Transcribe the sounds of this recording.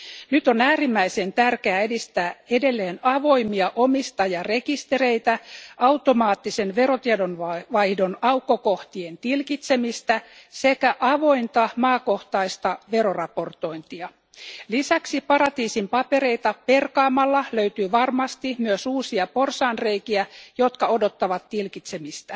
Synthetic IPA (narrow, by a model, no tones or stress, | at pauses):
nyt̪o̞næːrimːæise̞nt̪ærkeæːedist̪æːede̞lːe̞ːnɑʋo̞jmiɑʔo̞mist̪ɑjɑre̞kist̪e̞re̞jt̪æʔɑwt̪o̞mɑːt̪ːise̞nʋe̞ɾo̞t̪iedonʋɑʋɑjhdo̞nɑwkːoko̞ht̪ient̪ilkit̪se̞mist̪æsekæʔɑʋo̞int̪ɑmɑːko̞ht̪ɑist̪ɑʋe̞ɾo̞rɑpo̞rt̪o̞int̪iɑ | lisæksipɑɾɑt̪iːsimpɑpe̞ɾejt̪ɑpe̞rkɑːmɑlːɑløyt̪yːʋɑrmɑst̪imyøsuːsiɑpo̞rsɑːnreikiæjo̞t̪kɑo̞do̞t̪ːɑʋɑt̪tilkit̪semist̪æ